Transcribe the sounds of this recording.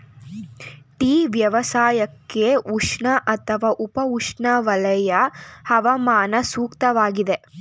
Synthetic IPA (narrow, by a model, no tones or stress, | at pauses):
ʈiːʋjɐʋɐsaːjɐkːeuʂɳɐʔɐt̪ʰɐʋaːʔupɐuʂɳɐʋɐlɐjɐhɐʋɐmaːnɐsuːkt̪ɐʋaːɡid̪e